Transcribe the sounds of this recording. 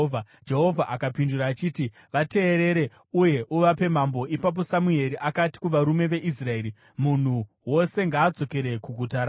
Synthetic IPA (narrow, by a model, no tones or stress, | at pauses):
va | d͡ʒe̞ɦo̞vʱaʔakapinduɾaːt͡ʃiːti | ʋate̞ːɾe̞ɾe̞ | uje̞ʔuʋape̞mambo̞ʔipap̬o̞samue̞ɾiʔakati̥kuʋaɾume̞ʋe̞ʔis̬rae̞ɾi | mun̤u | wo̞se̞ŋɡaːd͡zo̞ke̞ɾe̞kuɡʱutaɾaː